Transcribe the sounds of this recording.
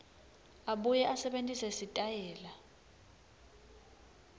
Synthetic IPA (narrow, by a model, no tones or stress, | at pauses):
aɓujɛʔasɛɓentʼisɛsitʼajɛːla